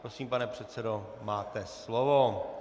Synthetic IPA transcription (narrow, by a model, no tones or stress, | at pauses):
pɾo̞siːmpanɛpr̝̥ɛt̪t͡sɛdo̞ | maːt̪ɛslovo